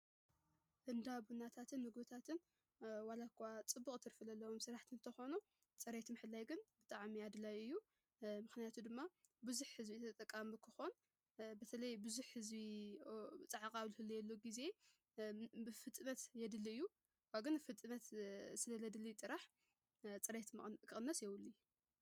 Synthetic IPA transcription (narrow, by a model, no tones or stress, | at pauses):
ʔɨnd̪aβunat̪ʰat̪ʰɨnmɨɡbɨt̪ʰat̪ʰɨn | walakʰat͡sʼɨbːukʼt̪ʰɨɾfɨlɐlːɐwomsɨɾaħt̪ʰɨnnt̪ʰɐxo̞nu | t͡sʼɐɾet̪ʰɨmħɨlːajɡɨnbɨt̪ʼaʕmiad̪lajɨjːu | mɨxnijat̪ʰud̪ɨmːabɨzuħhɨzbit̪ʰɐt̪ʼɐkʼːamɨkʰɨxo̞n | bɐt̪ʰɐlɐjbɨzuħhɨzbi | t͡sʼɐʕakʼaβlɨhɨlːijɛlːoɡize̞ | bɨfɨt̪ʼɨnɐt̪jɛd̪ɨliɨjːu | waɡɨnfɨt̪ʼɨnɐt̪sɨlɐlɐd̪ɨlit͡s̪ʼɨɾaħ | t͡sʼɨɾet̪kʰɨʔʼɨnːɐsjɛwʊlːij